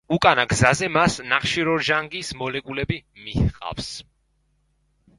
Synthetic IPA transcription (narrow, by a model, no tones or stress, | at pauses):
ukʼanaɡzazɛmasnaχʃiɾɔɾʒaŋɡismɔlɛkʼulɛbimihqʼa̰fs